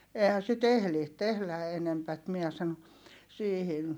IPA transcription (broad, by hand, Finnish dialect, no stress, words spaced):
eːhæn̞ sit ehli tehlæ enempæt miɛ sɑno siːhin